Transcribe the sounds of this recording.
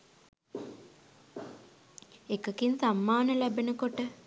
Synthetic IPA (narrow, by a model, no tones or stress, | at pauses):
ekəkinsamːaːnəlæbenəkoʈə